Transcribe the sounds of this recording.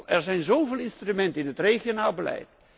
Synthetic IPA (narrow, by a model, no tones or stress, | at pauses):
lˠɛrzɛjnzowvɪːlˠɪnstrymɛntəɪnɦətrejχjonaːlˠbəlɛ̰jt̚